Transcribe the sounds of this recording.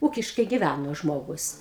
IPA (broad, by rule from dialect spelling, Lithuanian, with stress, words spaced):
ˈuːkʲɪʃkɐɪ ɡʲɪˈʋʲænoː ˈʒmoːɡʊs